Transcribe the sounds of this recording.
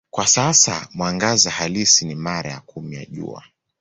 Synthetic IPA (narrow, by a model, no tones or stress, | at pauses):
kwasasa̰mwaŋɡazahalisinimaɾajakumija̰ʄṵa̰